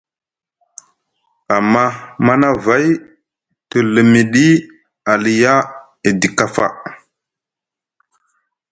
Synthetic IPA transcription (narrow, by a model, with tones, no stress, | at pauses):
a˨mːa˦ma˦na˦va˦j | tə˨lə˨mi˨ɗi˦ | a˨li˨ja˦ | e˨di˨ka˦fa̰˨